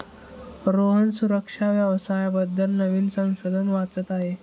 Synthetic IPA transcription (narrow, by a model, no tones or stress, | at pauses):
ɾoɦənsuɾəkʂaʋjəʋsajbəd̪ʱːəlnəʋiːnsə̃w̃ɕod̪ʱənʋat͡sət̪aɦe